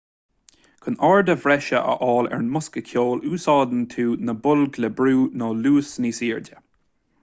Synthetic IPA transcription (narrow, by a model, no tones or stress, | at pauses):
kʰʊnɑːɹd̪əvɾɛʃəʔə̰ʔɔːlɛ̰ɹnmʊskəkʰjoːluːsɑːd̪ənt̪ʰuːnəbʊlɡlɛbɾuːnɔːluːsniːsiːɹdə